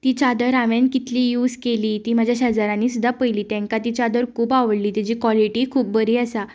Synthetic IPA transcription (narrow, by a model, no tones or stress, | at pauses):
t̪it͡ɕad̪əɾaʋẽnkit̪liːjuːd͡zkeliːt̪iːm̤ad͡ʑʱjaɕad͡zaɾãniːsud̪ːapəjliːt̪ɛ̃ŋkat̪it͡ɕad̪əɾkʰuːpaʋəɽliːt̪jad͡ʑiːkʋɔliʈikʰuːp̚bəɾiːasa